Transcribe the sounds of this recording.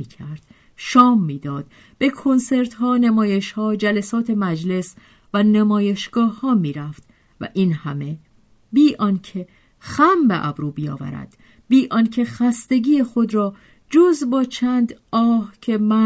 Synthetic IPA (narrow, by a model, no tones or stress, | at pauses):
iːkʰæɾd̪̥ | ʃɒːmːiːd̪ɒːd̪̥ | b̥e̞kʰo̞nse̞ɾt̪hɒːnemɒːje̞ʃhɒːd͡ʒælæsɒːt̪ʰe̞mæd͡ʒle̞s | vænemɒːje̞ʃɡ̥ɒːhːɒːmiːɾæft̪ | væ̰ʔiːnhæme̞ | biːʔɒnkʰe | xæmbeʔæ̰bɾuːbijɒ̰ːvæ̰ɾæ̰d̪̥ | biːʔɒːncʰe̞xæst̪e̞ɡiːexo̞d̪ɾɒː | d͡ʒozbɒːt͡ʃʰæːnd̪ɒːhcʰe̞mæ